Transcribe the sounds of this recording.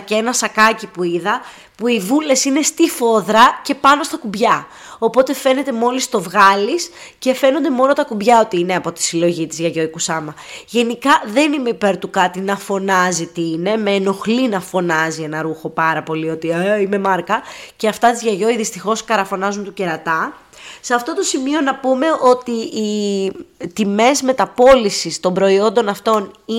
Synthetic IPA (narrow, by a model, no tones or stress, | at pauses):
ceenɐsɐkɐcipuiðɐ | puivule̞sine̞st̪ifo̞ðɾɐce̞pɐno̞st̪ɐkubʝɐ | o̞po̞t̪e̞fe̞ne̞t̪e̞mo̞list̪o̞vɣɐlisce̞fe̞no̞nd̪e̞mo̞not̪ɐkubʝɐo̞t̪iineɐpo̞t̪i̥silo̞ʝit̪izʝɐʝo̞ikusɐmɐʝe̞nikɐðe̞nime̞ipe̞ɾt̪ukɐt̪inɐfo̞nɐzit̪iine̞meːno̞xlinɐfo̞nɐzie̞nɐɾuxo̞pɐɾɐpo̞lio̞t̪iaime̞mɐɾkɐceɐft̪ɐt̪izʝɐʝo̞iðist̪ixo̞skɐɾɐfo̞nɐzunt̪uce̞ɾɐt̪ɐ | seɐft̪o̞t̪o̞simio̞nɐpume̞o̞t̪iː | t̪ime̞zme̞t̪ɐpo̞lisist̪o̞mbɾo̞io̞nd̪o̞nɐft̪o̞ni